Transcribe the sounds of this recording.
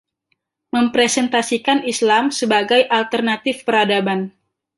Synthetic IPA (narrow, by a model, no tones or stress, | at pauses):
məmpɾɛsɛnt̪asikanislamsəbaɡajʔalt̪ərnat̪ɪfpəɾadaban